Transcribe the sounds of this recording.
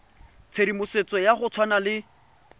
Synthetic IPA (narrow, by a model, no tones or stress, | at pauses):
t͡sʰeɾimʊset͡sɔjaχʊt͡sʰwanalɪ